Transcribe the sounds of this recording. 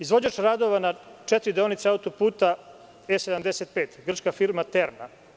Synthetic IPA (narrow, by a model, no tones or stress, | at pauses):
izʋo̞d͡ʑaʃɾaːd̪oʋanat͡ʃet̪ɾid̪eonit̪seaut̪opuːt̪a | esed̪amd̪eset̪̚peːt̪ɡr̩t͡ʃkafiɾmat̪eɾna̰